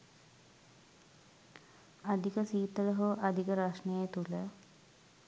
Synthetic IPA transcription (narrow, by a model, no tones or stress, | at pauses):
ad̪ʱikəsiːt̪ələɦoʔad̪ʱikəɾaʂɳejt̪ulə